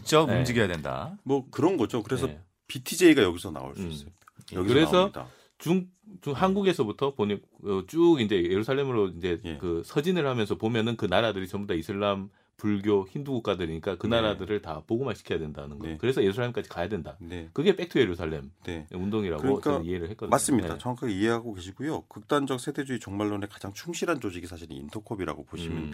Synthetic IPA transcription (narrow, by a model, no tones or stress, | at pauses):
ɯk̚t͡ɕ͈ʌkumd͡ʑiɡejadwenda̰mwʌkɯɾʌnɡʌd͡ʑokɯɾesʰʌ | pitʰid͡ʑeiɡajʌɡisʰʌna̰o̰ɭsuis͈j | ɡkɯɾe̞sʰʌa̰ | t͡ɕuŋ | t͡ɕuŋhanɡuɡe̞sʰʌbutʰʌpoɲi | ɯt͡ɕ͈uɡind͡ʑe̞je̞ɾusʰaɭːe̞mɯɾoind͡ʑe̞kɯsʰʌd͡ʑinɯɭhamjʌnsʰʌpomjʌnɯnkɯnaɾadɯɾit͡ɕʌmbodaisʰɯɭːam | puɭɡjoçinduɡuk͈adɯɾiɲik͈akɯnaɾadɯɾɯɭtapoɡɯmaɭɕʰi̥kʰjʌjadwe̞ndanɯnɡʌkɯɾe̞sʰʌje̞ɾusʰaɭːe̞mk͈ad͡ʑi̥kajadwe̞ndanekɯɡe̞p͈e̞k̚tʰɯje̞ɾusʰaɭːe̞mneeundoŋiɾa̰ɡɯokt͡ɕ͈aniɦeɾɯɭhek͈ʌdɯmass͈ɯmɲida̰t͡ɕʌŋakʰaɡeieɦaɡoke̞ɕʰiɡujokɯk̚t͈and͡ʑʌk̚sʰede̞d͡ʑuit͡ɕʌŋmaɭːone̞kḁd͡ʑaŋt͡ɕʰuŋɕʰiɾɦant͡ɕod͡ʑiɡisʰaɕʰiɾɯ̰nḭntʰokʰʌbiɾa̰ɡopoɕʰimjʌn